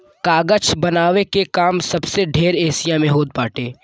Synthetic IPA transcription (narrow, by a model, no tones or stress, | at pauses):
kaːɡət͡ʃʰbɐnaːʋekekaːmsɐbseɖʱeːɾeːsɪjãmẽɦoːd̪̚paːʈeː